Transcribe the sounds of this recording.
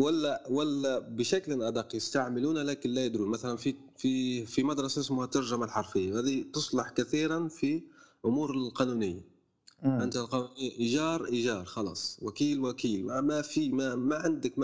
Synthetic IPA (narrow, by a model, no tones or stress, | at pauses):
wælːæwælːæbəʃæklənʔæd̪ɑqːjəst̪aʕməluːnlækɪnlæjəd̪ɾuːnmæθælænfi | fifimæd̪ɾˤɑssmʊhat̪ɑɾˤʒamalħɑɾˤfəjːahæːd̪it̪ʊsˤlɑħkæθiːɾanfiʔʊmuːɾəlqɑnunɪjːa | ʔənt̪alqɑnunɪjʔiʒɑːɾˤʔiʒɑːɾˤxɑlɑ̰ːsˤwækiːlwækiːlmamæfimamaʕand̪əkm